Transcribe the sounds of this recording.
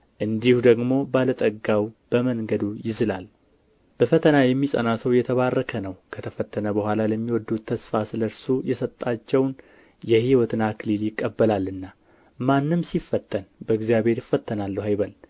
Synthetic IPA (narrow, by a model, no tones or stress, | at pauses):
ʔɨnd̪ihud̪əɡmo̞balət̪ʼəɡawb̥əməŋɡəd̪ujɪzɨlal | b̥əfət̪ʰənajɛmːisʼə̰nasəwjɛt̪ʰəβarːəkʰənəwkʰət̪ʰəfət̪ʰːənəbəhʷwʷalaləmːiwɔd̪ːut̪ʰːəsfasɨləɾsujɛsət̪ʼːat͡ʃːɛwn | jɛhiwɔt̪ʰɨnakʰɨliljɪkʼːəbːəlalːɨnːa | manːɨmsifːət̪ʰːənbəɨɡzijaβhe̞ɾjɪfːət̪ʰːənalːəɦajβəl